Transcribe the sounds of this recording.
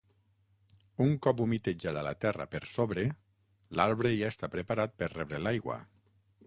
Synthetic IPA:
uŋkɔpumit̪ed͡ʒaðala̰t̪ɛra̰peɾsoβɾe | laɾβɾeʒaest̪apɾepaɾat̪̚perrɛβɾelajɣwa̰

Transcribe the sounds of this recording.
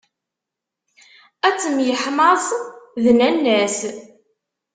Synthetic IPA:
æt͡sːəmjəħməsˤðnænːæs

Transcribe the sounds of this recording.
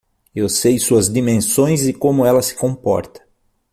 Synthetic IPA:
ewsejsuɐzd̪imẽsõj̃zɪkõmʊɛlɐsɪ̥kõpɔ̰ɾt̪ɐ̥

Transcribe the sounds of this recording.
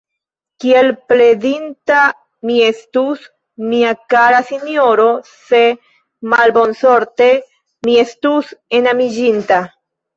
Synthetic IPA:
kie̞lple̞dinta | mie̞stus | miakaɾasinjo̞ɾo̞se̞ | malbo̞nso̞ɾte̞ | mie̞stuse̞namid͡ʒinta

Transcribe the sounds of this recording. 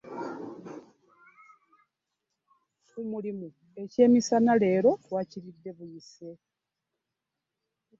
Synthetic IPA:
kumulimu | e̞ce̞ːmisanale̞ːɾo̞waciɾidːe̞βujise

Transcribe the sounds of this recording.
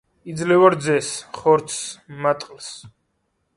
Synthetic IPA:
id̪zlɛvaɾd̪zɛsχɔɾt̪ʰsmat̪ʼqʼls

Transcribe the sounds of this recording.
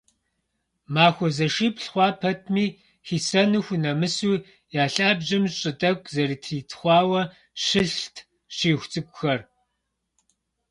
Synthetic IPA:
maːxʷɔzɐʃiːpɬχʷɑːpʰɐtʰmiː | xiːsɐnɨxʷnɐmɨsuː | jaːɬaːbʑɪmɕʼɪtʼɐkʷʰʼzɐɾiːtʰriːtʰχʷɑːwɐ | ɕɨɬtʰ | ɕiːxʷt͡sʼɨkʷʼʊxɐr

